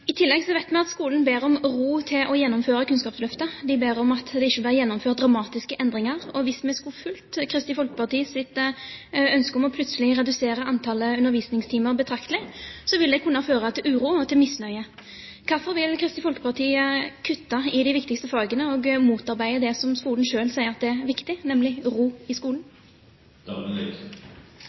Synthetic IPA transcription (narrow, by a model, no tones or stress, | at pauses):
ɪt̪ʰɪlːɛɡsɔʋæɪt̪mɛɑt̪skuːlən̩beːɾɔmʁuːt̪ʰɪlʔɔjɛnːɔmføːɾəkʰʉnskɑːpslœft̪əd̪ɪbeːɾɔmɑt̪d̪ɛɪçːəbeːɾəjɛnːɔmføːʁd̪ɾɑmɑːt̪ɪskəʔɛnd̪ɾɪŋɑʁɔʋɪsmɛskufʉlt̪kʰɾɪst̪ɪfɔlkə̥pɑʁt̪ʰiːəsɪt̪ | œnskəɔmɔpʰlʉt̪səlɪɾɛd̪ʉseːɾəɑnt̪ʰɑːləʉnːəɾʋiːsnɪŋst̪ʰiːməɾbət̪ʰɾɑkt̪əlɪsɔʋɪld̪ɛkʰʉnːɑføːʁɑt̪ʰɪlʉːɾuːɔt̪ʰɪlmɪsnœʏə | kʰɑfɔɾʋɪlkʰɾɪst̪ɪfɔlkə̥pɑʁt̪ʰiːəkʰʉt̪ːɑɪd̪ɪʋɪkt̪ɪkst̪əfɑːɡənəɔɡmuːt̪ɑɾbæɪəd̪ɛsɔmskuːln̩ʃøːlsæɪəɾʁɑt̪d̪ɛæʁʋɪkt̪ɪnɛmlɪʁuːɪskuːln̩